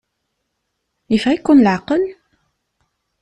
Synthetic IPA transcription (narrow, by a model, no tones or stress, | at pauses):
ifʁikːunləʕqəl